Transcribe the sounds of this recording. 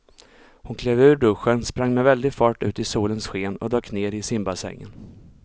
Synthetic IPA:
hʊnkʰleːvʉ̟ːɾɖɵɧənspɾaŋːmɛvɛld̪ɪɡfɑːʈʉ̟̰ːt̪ɪsuːlənsɧeːnɔ̰d̪ɑːkneːɾɪsɪmbasɛ̰ŋːə̰n

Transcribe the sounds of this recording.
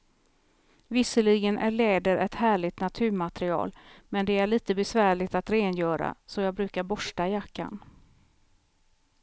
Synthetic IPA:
vɪsəlɪɡənʔæɭɛːd̪əɾʔɛt̪hæːɭɪt̪nat̪ʰʉ̟ːɾmat̪ɾɪɑ̰ːlmɛnd̪ɛæɭiːt̪əbɛsvæːɭɪɡt̪at̪ɾeːnjœːɾa̰sɔjɑːɡ̚bɾʉ̟ːkaɾbɔʂʈajakːa̰n

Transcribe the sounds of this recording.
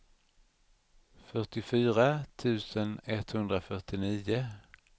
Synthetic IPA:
fœʈɪfyːɾat̪ʰʉ̟ːsənɛt̪hɵnd̪ɾafœʈɪniːʊ

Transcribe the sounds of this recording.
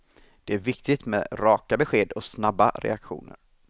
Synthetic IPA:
d̪̥ɛæɾvɪkt̪ɪt̪meːɾɑːkabɛɧeːd̪ɔsnabːa̰ɾɛ̰akɧṵːnə̰ɾ

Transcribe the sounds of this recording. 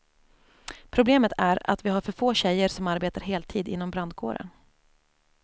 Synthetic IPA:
pʰɾʊbleːmət̪ʰæɾa̰t̪vɪɦaɾfœɾfoːɕɛjəɾʂɔmaɾbeːt̪aɾɦeːlt̪ʰiːd̪ɪ̰n̪ːɔmbɾand̪̚kʰo̰ːɾə̰n

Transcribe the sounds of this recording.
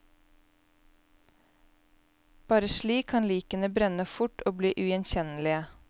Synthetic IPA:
b̥ɑːɾəʃliːkʰːɑnliːkənəbɾɛnəfʊʈʰoːbliːʔʉɛnçɛnlɪə

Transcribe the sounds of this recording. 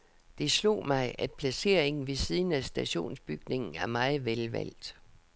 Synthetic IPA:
d̥e̝slo̝̰ːmɑ̈ɪʔæd̥̚pʰlæse̝̰ɐ̰e̝ŋn̩ʋe̝siːðˠn̩æsd̥æɕo̝̰ːnsb̥yɡ̥ne̝ŋn̩æɐmɑ̈ɪð̩ˠʋelʋæ̰l̰d̥

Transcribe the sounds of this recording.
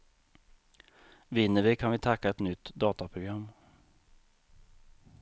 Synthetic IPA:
vɪnːəvɪkʰanvɪt̪ʰakːaɛt̪nʏt̪ːd̪ɑːt̪apʰɾʊɡɾamː

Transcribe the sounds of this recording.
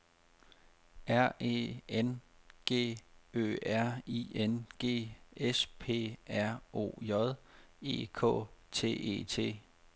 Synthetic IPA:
æɐ̰e̝̰enɡ̥e̝̰ːø̰ːæɐ̰ienɡ̥e̝̰ːespʰe̝̰ːæɐ̰o̝̰ːjɒð̞ˠe̝̰ːkʰɔ̰̽ːt͡sʰe̝̰ːʔe̝̰ːt͡sʰe̝̰ː

